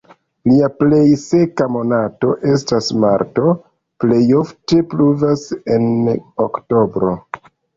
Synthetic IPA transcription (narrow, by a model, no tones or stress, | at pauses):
liaple̞jse̞kamo̞nato̞ʔe̞stasmaɾto̞ | ple̞jo̞fte̞pluvase̞nokto̞bɾo̞